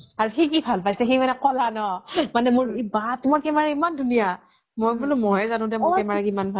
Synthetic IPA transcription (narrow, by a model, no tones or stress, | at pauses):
aɹuxikibʱalpajsɛxejmanɛkɔlanɔmanɛmʊɹibatumɔɹkɛmaɹaimandʱunija | mojbulʊmɔjɛzanʊ̃dɛmɹɛmaɹakimanbʱa